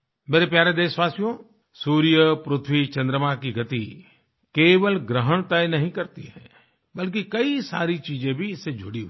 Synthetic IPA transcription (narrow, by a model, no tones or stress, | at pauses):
meːɾepjaːɾed̪eːsʋaːsijõ | suːɾijəpɾʊt̪ʰwit͡ʃɐ̃nd̪ɾəmakiɡʱɐt̪i | keːʋəlɡɾəɦəɳ̃t̪əjnɐɦĩkɐɾt̪iɦɛ̰̃ | bɐlk̬ikɐisa̰ːɾit͡ʃiːd͡ʒẽbʱiɪsːed͡ʒʱʊɽiɦ